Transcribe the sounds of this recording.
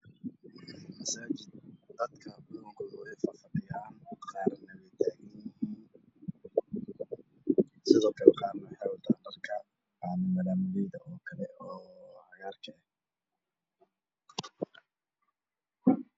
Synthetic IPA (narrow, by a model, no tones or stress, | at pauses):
mɐsaːt͡ʃɪd̪̚d̪ɐd̪kʰɐbʊɐŋkʰɔːʊɛjfɐfɐd̪ɪjaːnqɑːrnɐβɛt̪ʰːaːɣɪnɪɦiːn | sɪðɔːkʰɐlɛqɑːrnɐħɛwlt̪ʰaːndɐrkʰɐ | anɐmɐðaːmbɛðɐɔːkʰɐlɛɔːʕɑɣaːrkʰɛ